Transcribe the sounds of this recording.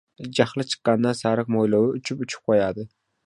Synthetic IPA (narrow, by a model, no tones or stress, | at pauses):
d͡ʒaχlˠɪt͡ʃʰɨ̥qːɑnd̪asaɾɪq̚mojlowɪʊt͡ʃʰɪpʊt͡ʃʰʊ̥p̚qʰojad̪ɪ